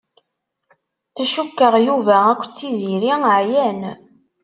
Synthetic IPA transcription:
æʃukːəʁjuvæækʷːt͡sːiziɾiʕjæn

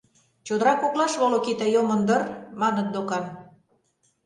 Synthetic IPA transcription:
t͡ɕod̪əɾɑkoklɑʃβolokit̪ɑjomə̆nd̪ɤ̆rmɑnə̆t̪̚d̪okɑn

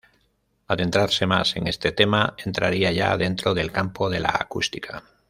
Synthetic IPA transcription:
aðe̞nt̪ɾaɾse̞ma̰se̞ŋe̞st̪e̞t̪e̞mae̞nt̪ɾaɾiaʝa̰ðe̞nt̪ɾo̞ðe̞lkampo̞ðe̞la̰ːkust̪ikʰa

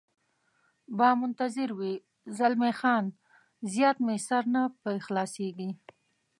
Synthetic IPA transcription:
bɑmʊnt̪azɪɾwi | zalmexɑn | zjɑt̪mesaɾnapəxlɑseɡi

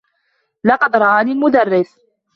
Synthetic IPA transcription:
lɑqɑd̪ɾˤɑʔaːniːlmʊd̪arˤːɪθ

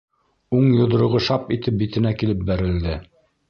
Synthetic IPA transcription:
uɴjŏð̆ɾŏʁoʃɑpit̪ɘp̚bit̪ɘ̆nækilɘp̚bæɾɘ̆ld̪ɘ

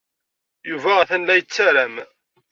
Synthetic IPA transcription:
juvæθænlæjət͡sːæɾæm

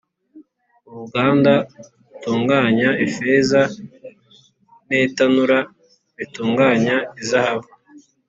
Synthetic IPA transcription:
uβuɡaːnda | utuːŋɡaːɲaifeːza | netanuɾa | βituːŋɡaːɲaizahaβu

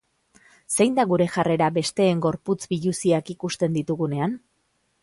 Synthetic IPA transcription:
se̞jnd̪aɣuɾe̞ʝare̞ɾabe̞st̪e̞ːŋɡo̞ɾput͡sbiʎusiakikust̪e̞nd̪it̪uɣune̞an

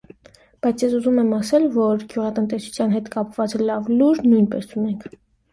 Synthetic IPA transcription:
b̥ɑjt͡sʰjɛs̬uzumɛmɑsɛlvɔɾɡjuʁɑt̪ənt̪ɛsu̥t͡sʰjɑnɦɛt̪kɑpvɑt͡sɛlɑvluɾnujnpɛ̰sunɛŋkʰ

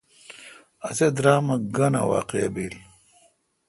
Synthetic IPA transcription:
ɐzed̪ɾaːmɐɡɐna̰wa̰ːqeɐ̰biːl

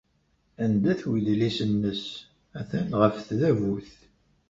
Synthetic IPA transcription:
ænd̪æθwiðlisənːəs | æθænʁəfθðævuθ

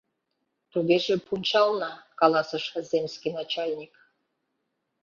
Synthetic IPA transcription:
t̪uɡʲeʒepʰunʲt͡ɕɑlˠnɑkɑlˠɑsɤ̆ʂɤzʲemsʲkʲinat͡ɕalʲnʲik

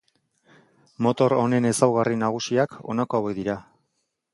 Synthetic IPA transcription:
mo̞t̪o̞ɾo̞ne̞ne̞sawɣarinaɣ̞usiakʰo̞̰nako̞aweðiɾa

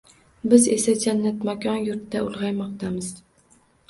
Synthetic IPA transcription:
bɪzesad͡ʒanːat̪makʲʰɒnjʊɾt̪ːaʊlˠʁɑjmɒq̚t̪ʰamɪz̥

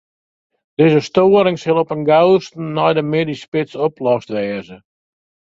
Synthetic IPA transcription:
d̥ɪzəstoəɾɪŋsɪlˠɔpənɡawstn̩ːɔjdəmɪdispɪsɔplɔstʋɛːzə

